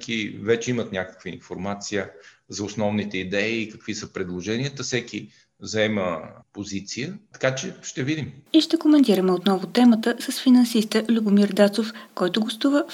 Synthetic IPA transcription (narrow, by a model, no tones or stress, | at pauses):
kivɛt͡ʃɛimət̪nʲakə̥kviinfoɾmat̪sijəzɐʊsnɔvnit̪ɛid̪ɛiːkəkv̥isəpɾɛd̪lˠoʒɛniət̪əfsɛkʲi | zɐɛməpozit̪sijət̪ɐ̥kat͡ʃɛʃt̪ɛvid̪imiʃt̪ɛkomɛnt̪iɾəmɛot̪nɔvʊt̪ɛmət̪əsəsfinɐnsist̪əʔlʲʊbʊmiɾd̪at̪sofkɔjt̪ʊɡost̪uvə